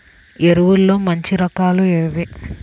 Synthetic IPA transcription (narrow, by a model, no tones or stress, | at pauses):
eɾuʋulːoːmɐɲt͡ʃiɾɐkaːlueɾʋi